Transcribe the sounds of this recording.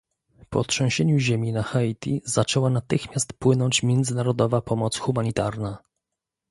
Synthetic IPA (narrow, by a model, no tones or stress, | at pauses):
pɔ̰tʂɛ̃w̃ɕɛɲuʑemʲinaxait̪ʲiz̥at͡ʂɛwanat̪ɘxmʲjast̪pwɘnɔɲt͡ɕmʲjɛnd̪zɘnaɾɔd̪ɔvapɔmɔt̪sxumaɲit̪aɾna